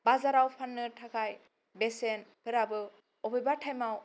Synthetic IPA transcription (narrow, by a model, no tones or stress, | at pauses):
bazaɾawpʰanːɯtʰakʰaj | besenpʰɯɾabɯ | ɔbɯjbatʰajmaw